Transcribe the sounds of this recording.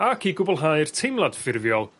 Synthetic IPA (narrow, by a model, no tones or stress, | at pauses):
akʰiɡʊbɔlˠɦaɨrtʰɪmlˠad̥fɪrvjɔlˠ